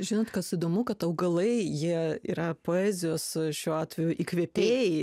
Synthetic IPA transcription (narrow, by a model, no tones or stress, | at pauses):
ʒʲɪnoːt̪kɐsɪd̪oːmʊkɐt̪ɐʊɡɐlˠɐɪjiɛḭɾɐpoːæːzʲɪjoːsʃʲuːɑːt̪ʲʋʲɛjʊʔiːkʋʲiɛpʲeːjɪ